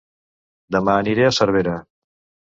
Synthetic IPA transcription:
d̪əmaːniɾeəsəɾβ̞eɾə

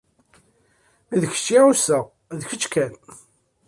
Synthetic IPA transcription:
miðəçə̥t͡ʃːiusəʁ | ðçət͡ʃːkæn

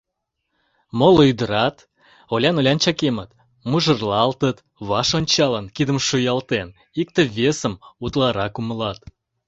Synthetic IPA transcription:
moloyd̪əɾɑt̪ | olʲɑnolʲɑnt͡ɕɑkemət̪ | muʒə̆rlˠɑlt̪ət̪ | βɑʃonʲt͡ɕɑlənkid̪əmʃujɑlt̪en | ik̚t̪ə̆βʲesəmut̪lˠɑɾɑkuməlɑt̪

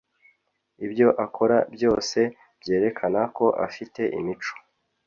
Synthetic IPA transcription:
ibjo̞ʔakʰo̞ɾabjo̞ːse̞ | bje̞ːɾe̞kʰanako̞ʔa̰fite̞ʔḭmit͡ʃo̥

